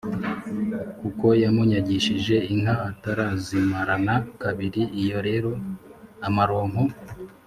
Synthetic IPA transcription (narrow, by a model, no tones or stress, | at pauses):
kuko̞jamuɲaɟiʃiʒe̞iŋɦaːtaɾazimaɾanakaβiɾiijo̞ɾe̞ɾo̞amaɾo̞ːŋ̥ho